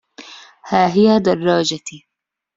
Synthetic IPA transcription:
haːɦɪjad̪ɐrˤːɑːd͡ʒat̪i

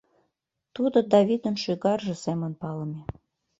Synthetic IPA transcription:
t̪ud̪ŏd̪ɑβʲid̪ə̆nʃyɣɑrʒɤ̆semə̆npɑlə̆mʲe

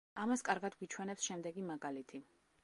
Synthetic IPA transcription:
amaskʼaɾɡad̪ɡwit͡ʃʰwɛnɛpsʃɛmd̪ɛɡimaɡalit̪ʰi

